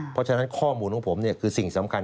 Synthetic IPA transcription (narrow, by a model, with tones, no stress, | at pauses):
pʰɔ˦˥t͡ɕʰa˧na˦˥nkʰɔː˥˩muː˧nkʰɔ˨˧˥pʰo˩˦mni˥˩ɐkʰɯː˧si˨˩ŋsa˩˦mkʰa˧n